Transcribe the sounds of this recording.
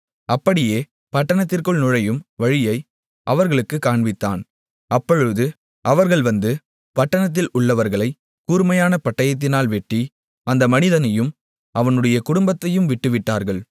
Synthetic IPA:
ʔɐpːɐɽɪjeː | pɐʈːɐɳɐt̪ːɪrkɯɭnʊɻɐjɯmʋɐɻɪjɐɪ | ʔɐʋɐɾɣɐɭɯkːɯkːaːɳʋɪt̪ːa̰ːn | ʔɐpːɔɻɯðɯ | ʔɐʋɐɾɣɐɭʋɐnd̪ɯ | pɐʈːɐɳɐt̪̬ːɪlʊɭːɐʋɐɾɣɐɭɐɪ | kuːɾmɐjaːnɐpɐʈːɐjɐt̪̬ːɪnaːlʋɛʈːi | ɐnd̪ɐmɐnɪðɐnɐjɯm | ʔɐʋɐnɯɽɐjɐkʊɽʊmbɐt̪ːɐjɯmʋɪʈːɯʋɪʈːaːɾɣɐɭ

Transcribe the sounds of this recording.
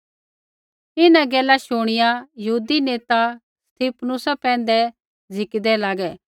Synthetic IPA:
ɪnãɡɛːlaʃʊɽ̃ɪjajɐɦuːd̪ineːt̪a | st̪ʰiːpʰnʊsapɛ̃ːnd̪ɛ | d͡zʱɪkd̪ɛlaːɡɛ

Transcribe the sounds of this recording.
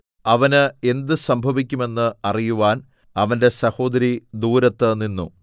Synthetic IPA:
ɐʋɐnɨe̞nd̪ɨsɐmbʱɐʋikʲːume̞nːɨɐrijuʋaːn | ɐʋɐnde̞sɐho̞ːd̪ɐɾid̪uːɾɐt̪ːɐninːṵ

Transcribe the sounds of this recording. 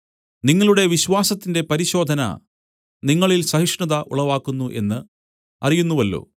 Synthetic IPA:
niŋːɐɭuɽe̞ʋiɕwaːsɐt̪ːinde̞pɐɾiɕo̞ːd̪ʱɐnɐ̰ | niŋːɐɭilsɐhiʂɳɐðɐʔṵɭɐʋaːkːunːuʔe̞̰nːɨ | ɐ̰rijunːuʋɐlːo̞̰ː

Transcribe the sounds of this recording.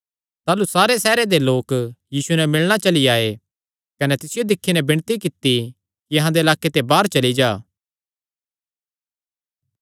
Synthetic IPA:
t̪aːlusaːɾesɛːɾed̪eloːkjiːsunɛmɪɭɽ̃at͡ʃɐliaːe | kɐnɛt̪ɪsɪjod̪ɪkʰːinɛbɪɽ̃t̪ikɪt̪ːi | kijɐɦãd̪eɐlaːkːet̪ebaːɾt͡ʃɐlid͡ʒaː

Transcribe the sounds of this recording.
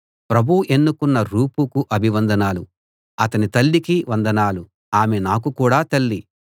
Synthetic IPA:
pɾɐbʱuʔe̞nːukunːɐɾuːpukuʔɐbʱiʋɐnd̪ʱɐnaːlu | ɐt̪ɐnit̪ɐlːikiʋɐnd̪ɐnaːlu | aːmenaːk̬ukuːɽaːt̪ɐlːi

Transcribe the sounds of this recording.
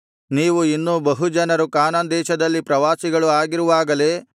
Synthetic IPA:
niːʋuinːubɐɦud͡ʒɐnɐɾukaːnɐnd̪ɛːʃɐd̪ɐlːipɾɐʋaːsiɡɐɭuaːɡiɾuʋaːɡɐle̞ː

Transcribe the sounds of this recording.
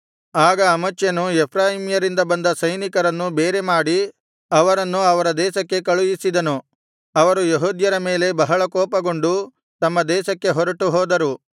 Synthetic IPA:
aːɡɐːmɐt͡ʃːjɐnuɛpʰɾaːɦimjɐɾind̪ɐbɐnd̪ɐsɐjnikɐɾɐnːubeːɾe̞maːɽi | ɐʋɐɾɐnːuɐʋɐɾɐd̪ɛːʃɐkːe̞kɐɭujisid̪ɐnu | ɐʋɐɾujeɦuːd̪jɐɾɐme̞ːle̞bɐɦɐɭɐkɔːpɐɡo̞ɳɖu | t̪ɐmːɐd̪ɛːʃɐkːe̞ɦɔɾɐʈuɦɔːd̪ɐɾu

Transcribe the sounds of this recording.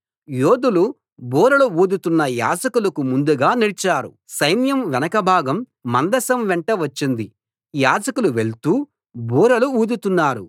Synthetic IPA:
joːd̪ulu | buːɾɐluuːd̪ut̪unːɐja̰ːd͡ʒɐkulɐkumund̪uɡaːnilit͡ʃaːɾṵ | sɐjnjɐmʋɛnɐkɐbʱaːɡɐmː | ɐnd̪ɐsɐmʋɛɳʈɐʋɐt͡ʃːind̪i | jaːd͡ʒɐkuluʋe̞ɭt̪uː | bʱuːɾɐluuːd̪ut̪unːaːɾu

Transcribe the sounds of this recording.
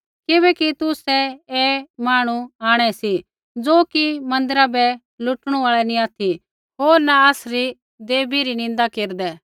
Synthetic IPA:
kɪβɛkit̪ʊsɛeːmaːɽ̃uaːɽ̃ɛsi | d͡zoːkimɐ̃nd̪əɾabɛ | lʊʈɽ̃ũaːɭɛnĩaːt̪ʰi | ɦoːɾnaasɾi | d̪eːbiɾinɪ̃nd̪akeːɾd̪ɛ

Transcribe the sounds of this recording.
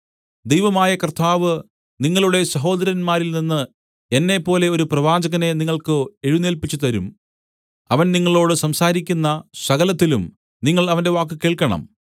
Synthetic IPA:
d̪ejʋɐmaːjɐkrt̪ʰːaːʋɨ | niŋːɐɭuɽe̞sɐɦo̞ːd̪ɐɾjɐnmaːɾilninːɨ | e̞nːe̞pːo̞ːle̞o̞ɾuprɐʋaːd͡ʑɐɣɐne̞niŋːɐɭkɨeɻuneːlpit͡ɕːut̪ɐɾum | ɐʋɐnniŋːɐɭo̞ːɽɨsɐmsaːɾikʲːunːɐsɐɣɐlɐt̪ːilum | niŋːɐɭɐʋɐnde̞ʋaːk̬ːɨke̞ːɭkɐɳɐ̰m

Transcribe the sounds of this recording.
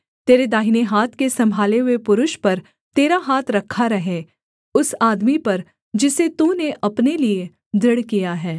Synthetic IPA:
t̪eːɾed̪aːɦineɦaːt̪ʰkesɐ̃mbʱaːleɦʊepʊɾʊʃpɐɾ | t̪eːɾaɦaːt̪ʰɾɐkʰːaɾɐɦe | ʊsaːd̪mipɐɾ | d͡ʒɪset̪uːneʔɐpnelie | d̪ʱɪɽkijaɦɛː

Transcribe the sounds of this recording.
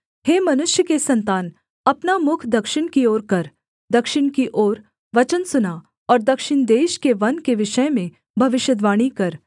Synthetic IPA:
heːmɐnʊʃjəkesɐ̃nt̪aːn | ɐpnamʊkʰd̪ɐkʃɪɽ̃kioːɾkɐɾ | d̪ɐkʃɪɽ̃kiʔoːɾ | ʋɐt͡ʃənsʊna | ɔːɾd̪ɐkʃɪɳd̪eːʃkeʋɐnkeʋɪʃəjmẽ | bʱɐʋɪʃjəd̪ʋaːɽ̃ikɐɾ

